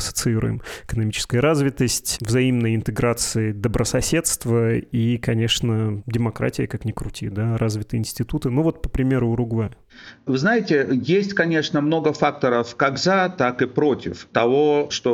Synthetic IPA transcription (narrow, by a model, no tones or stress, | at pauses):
ɐsə̥t̪sɨiɾʊ̰jɪ̰mɪkənɐmʲit͡ɕɪ̥skəjəɾazvʲɪt̪əsʲtʲvzɐimnəjəɪnt̪ɨɡɾat̪sɨɪd̪əbɾəsɐsʲe̞t̪st̪vəikɐnʲe̞ʂnədʲɪmɐkɾa̰tʲɪjəkaknʲɪkɾʊtʲid̪arʔazvʲɪt̪ɨjəɪnsʲtʲɪt̪ut̪ɨnuvo̞t̪̚pə̥pɾʲɪmʲe̞ɾʊɾʊɡva | vɨznajɪtʲɪjesʲtʲkɐnʲe̞ʂnəmno̞ɡəfak̚t̪əɾəfkaɡzat̪akɨpɾo̞tʲɪft̪ɐvoʂt̪o